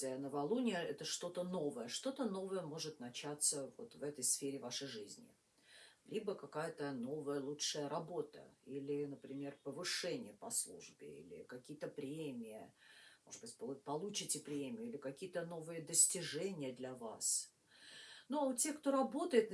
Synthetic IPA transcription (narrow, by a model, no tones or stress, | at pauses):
əjənəvɐlˠunʲɪjəɛt̪əʂt̪o̞t̪əno̞vəjəʂt̪o̞t̪əno̞vəjəmo̞ʐɨt̪nɐt͡ɕat̪səvo̰t̪vɛt̪əjsfʲeɾʲɪvaʂəjʐɨzʲnʲɪ̰ | lʲibəkɐkajət̪əno̞vəjəlˠutʂəjəɾɐbo̞t̪ə̰ilʲɪnəpɾʲɪmʲe̞rpəvɨʂɛnʲɪjəpɐslˠṵʐbʲɪ̰ḭlʲɪ̰kɐkʲijət̪əpɾʲemʲɪjəmoʐɨd̪bɨtʲppɐlˠut͡ɕɪtʲɪpɾʲemʲɪjʊilʲɪkɐkʲijət̪əno̞vɨjəd̪əsʲtʲɪʐɛnʲɪjəd̪lʲavas | notʲekt̪o̞ɾɐbo̞t̪əjɪt̪